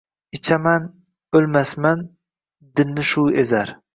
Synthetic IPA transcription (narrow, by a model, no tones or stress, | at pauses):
ɪt͡ʃʰaman | ølmasman | d̪ɪnːɪʃuezaɾ